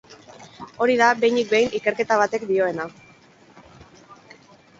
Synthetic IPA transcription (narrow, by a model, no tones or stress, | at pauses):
o̞ɾiðabe̞jnik̚bejnike̞ɾke̞t̪aβ̞at̪e̞kd̪io̞e̞na